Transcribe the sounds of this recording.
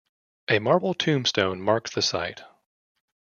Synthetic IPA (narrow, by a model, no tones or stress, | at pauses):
ʔɨmɑɹbl̩ˠtʰʉ̃mstõʊ̃nmɑɹk̚ðɨsa̰ɪt̚